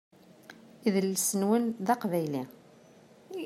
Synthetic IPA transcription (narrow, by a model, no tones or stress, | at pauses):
iðlsənwənðɑqvæjli